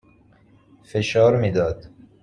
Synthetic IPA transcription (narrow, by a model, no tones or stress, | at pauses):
feʃɒːɾmiːd̪ɒːd̪